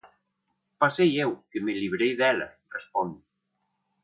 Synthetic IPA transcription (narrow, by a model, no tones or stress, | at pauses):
pasejewkemeliβɾejðɛlɐ̰ | respɔnd̪u